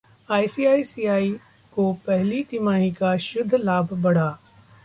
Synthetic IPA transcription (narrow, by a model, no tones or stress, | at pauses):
aːisiːaːisiːaːi | kopɛɦlit̪ɪmaːɦikaʃʊd̪ʱːlaːbʱbɐɽ̤aː